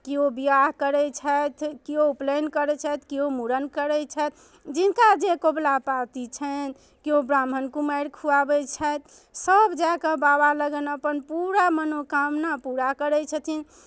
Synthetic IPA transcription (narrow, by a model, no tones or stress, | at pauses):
kiobiaɦkəɾɛt͡ʃʰət̪ʰkioplenkəɾɛt͡ʃʰət̪ʰkiɦomuɾənkəɾɛt͡ʃʰət̪̚ʰ | d͡ʒinkad͡ʒekoblapat̪it͡ʃʰən | kiobɾambʱənkumaɾkʰuabɛt͡ʃʰət̪ʰ | səbd͡ʒakə̃babaləɡənəpənpuɾamənokamnəpuɾakəɾɛt͡ʃʰət̪ʰin